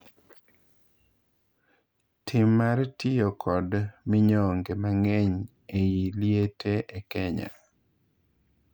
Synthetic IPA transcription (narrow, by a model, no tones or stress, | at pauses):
tʰɪmːartɪjokʰɔdmɪɲɔŋɡemaŋɛɲ | ejiljetʰeʔekɛɲa̰